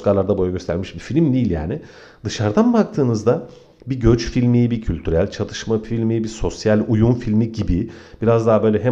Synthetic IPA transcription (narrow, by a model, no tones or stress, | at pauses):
skalˠaɾd̪abo̞jaɟø̞st̪ʰæɾmiʃbifilʲmd̪iːlʲja̰ːnɪ | d̪ɯʃaɾd̪anbak̚t̪ʰɯːnɯzd̪a | biɟøt͡ʃfilʲmijbicʰylʲt̪ʰyɾælʲt͡ʃʰat̪ʰɯ̥ʃmafilʲmijbiso̞sjalʲujunfilʲmiɟibib̥iɾazd̪aɦbø̞lʲɛɦɛ